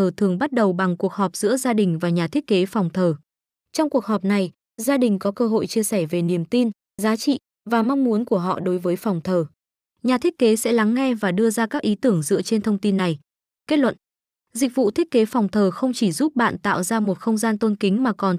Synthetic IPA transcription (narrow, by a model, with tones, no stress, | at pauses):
əː˨˩t̪ʰɨ˨˩əŋɓa˦˥t̚ɗə˨˩wɓa˨˩ŋku˨˩ək̚hɔ˨˩p̚z̥ɨ̰˧˥əzaː˧ɗï˨˩ŋ̟vaː˨˩ɲaː˨˩t̪ʰi˦˥ət̚ke˨˦fa˨˩wŋ͡mt̪ʰəː˨˩ | t͡ɕɔ˧wŋ͡mku˨˩ək̚ɦɔ˨˩p̚na˨˩j | zaː˧ɗï˨˩ŋ̟kɔ˨˦kəː˧ɦo̰˧˨jt͡ɕi˧əsɛ˧˩ve˨˩ni˧˩əmt̪i˧n | zaː˨˦t͡ɕḭ˧˨ | vaː˨˩ma˧ŋ͡mmu˨˦ənku˧˩əɦɔ̰˧˨ɗo˨˦jvəː˨˦jfɔ˨˩wŋ͡mt̪ʰəː˨˩ | ɲaː˨˩t̪ʰi˦˥əke˨˦sɛ̰˧˥la˨˦ŋːɛ˧vaː˨˩ɗɨ˧əzaː˧kaː˦˥k̚ʔi˨˦t̪ɨ˧˩əŋzɨ̰˧˥ət͡ɕe˧nt̪ʰə˧wŋ͡mt̪i˧nːa˨˩j | ke˦˥t̚lwə̰˧˨n | zï˨˩k̟̚vṵ˧˨t̪ʰi˦˥t̚ke˨˦fɔ˨˩wŋ͡mt̪ʰəː˨˩xə˧wŋ͡mt͡ɕi˧˩zu˦˥p̚ɓa̰ː˧˨nt̪a̰ː˧˨wzaː˧mo˨˩t̚xə˧wŋ͡mzaː˧nt̪o˧nkï˨˦ŋ̟maː˨˩kɔ˨˩n